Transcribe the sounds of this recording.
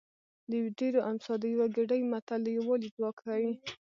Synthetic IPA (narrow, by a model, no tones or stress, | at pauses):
ljɖeɾoʔamsɑd̪əjawaɡɪɖəjmat̪alːəjawɑlid͡zwɑkʰawi